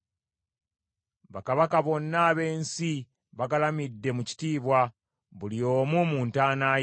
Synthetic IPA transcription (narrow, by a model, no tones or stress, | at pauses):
βakaβakaβo̞nːaːβe̞ːnsi | βakalamidːe̞muci̥tiːβwa | βulio̞ːmumuːntaːnaː